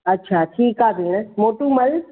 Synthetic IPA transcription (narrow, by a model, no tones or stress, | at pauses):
ɐtːʃʰaːʈʰiːkaːbʱiːɽ̃moːʈũmɐl